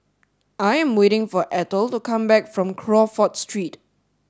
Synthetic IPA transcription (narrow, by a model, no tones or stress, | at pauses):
ʔajɛ̃mweɾɪ̃ŋfɔʔɛtəltukʰãmbɛkfɹɔ̃mkʰɹɔfɔtstɹit